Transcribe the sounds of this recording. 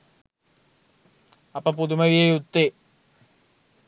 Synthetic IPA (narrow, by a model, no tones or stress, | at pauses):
ɐpːɐpud̪umɐʋijejut̪ːe